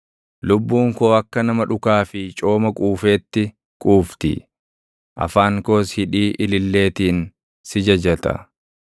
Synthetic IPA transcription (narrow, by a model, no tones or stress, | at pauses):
lʊbːuːŋko̞ːɐkːɐnɐmɐᶑʊkaːfɪt͡ʃʼo̞ːmɐkʼuːfe̞ːt̪ːɪ | kʼuːft̪ɪ̰ | ʔɐ̰faːŋko̞ːshɪᶑiːʔɪlɪlːe̞ːt̪iːn | sɪd͡ʒɐd͡ʒɐt̪ɐ̰